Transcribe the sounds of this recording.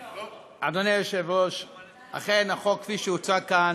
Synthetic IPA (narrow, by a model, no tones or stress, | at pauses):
ad̪oneʃevoʃ | a̰χejnaχokːfiʃeut͡sakan